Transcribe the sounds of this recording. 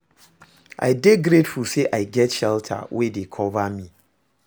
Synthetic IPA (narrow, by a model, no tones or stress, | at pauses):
ʔa̰ɪdeɡɾetfulseʔaɪɡɛtʃɛltʰa̰wʔedekʰɔvamĩ